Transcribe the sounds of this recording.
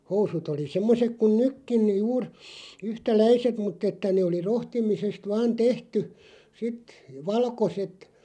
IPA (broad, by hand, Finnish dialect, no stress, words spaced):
housut oli semːosek kun nykːin juːr yhtælæiset mutˑ etːæ neː oli rohtimisest ʋɑːn tehty sit ʋɑlkoset